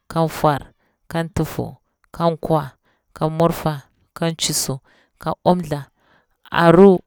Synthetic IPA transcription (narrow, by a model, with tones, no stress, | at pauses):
ka˦nfwa˨ɾ | ka˦ntu˨fo̰˨ | ka˦ŋkwa˨ | ka˦mu˦ɾfa˨ | ka˦nt͡ʃi˨su˨ | ka˦ʔo˦mɮa˨ | a̰˨ɾu˦